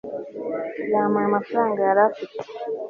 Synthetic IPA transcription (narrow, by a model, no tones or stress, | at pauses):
lamamafɾaŋɡaaɾafik